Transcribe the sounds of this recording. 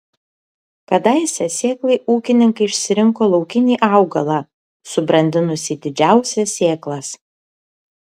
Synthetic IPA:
kɐd̪ɐɪsʲɛsʲeːklˠɐɪʔuːkʲɪnʲɪŋkɐɪɪʃʲsʲɪɾʲɪŋkoːlˠɒʊkʲɪnʲiːʔɑˑʊɡɐlˠɑː | sʊbɾɐnʲd̪ʲɪnʊsʲiːd̪ʲɪd͡ʒʲæˑʊsʲɛsːʲeːklˠɐs

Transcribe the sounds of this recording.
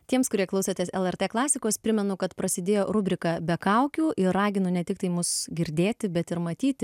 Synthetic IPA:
t̪ʲiɛmskʊɾʲiɛklˠɐʊsʲet̪ʲeːsɛlˠɛrt̪eːklˠɑːsʲɪkoːspʲɾʲɪmʲɛnʊkɐt̪pɾɐsʲɪd̪ʲeːjoːɾʊbʲɾʲɪkɑːbʲɛkɐʊkʲuːʔɪːɑːɡʲɪnʊnʲɛt̪ʲɪk̚t̪ɐɪmʊsɡʲɪɾʲd̪ʲeːt̪ʲɪbʲɛt̪ɪɾmɐt̪ʲiːt̪ʲɪ

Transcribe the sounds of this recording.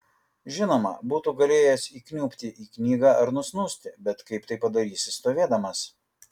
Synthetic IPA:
ʒʲɪnoːmɐ̰buːt̪uːɡɐlʲeːjɛsiːknʲuːpʲt̪ʲɪʔiːknʲiːɡɑːʔɐɾnʊsnʊsʲt̪ʲɪbʲɛt̪kɐɪpt̪ɐɪpːɐd̪ɐɾʲiːsʲɪst̪oːʋʲeːd̪ɐmɐs

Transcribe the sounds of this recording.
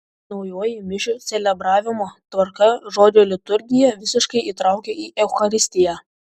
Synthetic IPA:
nɒʊjoːjɪmʲɪʃʲʊt̪sʲɛlʲɛbɾɑːʋʲɪmoːt̪ʋɐɾkɐʒoːd͡ʒ̪ʲoːlʲɪt̪ʊɾʲɡʲɪjɛʋʲɪsʲɪʃkɐɪʔiːt̪ɾɑˑʊkʲeːiːʔɛʊxɐɾʲɪsʲt̪ʲɪjæː

